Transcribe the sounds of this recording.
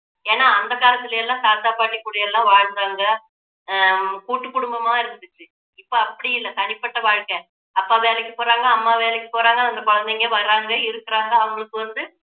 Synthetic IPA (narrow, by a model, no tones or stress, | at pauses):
eːnːaːɐnd̪ɐkaːlɐt̪ːɪlɐjɛlːãːsaːɾt̪aːpaːʈːɪkːuːɽɐjɛlːãːʋaːɻnɾaːŋɡɐ | kuːʈːɯkːʊɽʊmbɐmaːɪɾɯnd̪ɯʈːɯ | ɪpːoːɐpːɐɽɪjɪlːɐt̪ɐɳɪpːɐʈːɐʋaːɻkẽː | ɐpːaːʋeːlɛkʲːɯpoːɾaːŋɡɐɐmːaːʋeːlɛkʲːɯpoːɾaːŋɡɐðɐnd̪ɐkɔɻɐnd̪ɛŋɡeːʋɐɾːaːŋɡɐɪɾɯkːɪɾaːŋɡɐɐʋɐŋɡɐɭɯkːɯʋɐnd̪ɯ